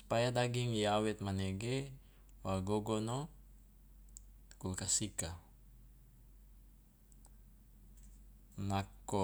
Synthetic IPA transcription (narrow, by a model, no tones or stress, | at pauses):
spajad̪aɡiŋjawɛt̪̚manɛɡɛ | waɡoɡono | kulkasika | nako